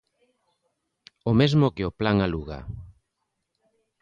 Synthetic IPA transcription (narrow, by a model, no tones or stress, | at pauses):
omezmʊkeoplaŋaluɣa̰